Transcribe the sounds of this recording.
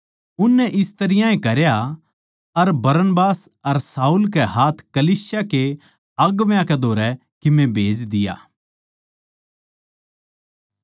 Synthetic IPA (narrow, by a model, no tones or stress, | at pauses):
ʊnːɛʔɪst̪ɐɾɪjãẽkɐɾja | ɐɾbɐɾənbaːsɐɾsaːuːlkɛɦaːt̪ʰkɐliːsjake | ɐɡʋjãkɛd̪ʱoːɾɛ | kɪmẽbʱeːd͡ʒd̪ɪja̰ː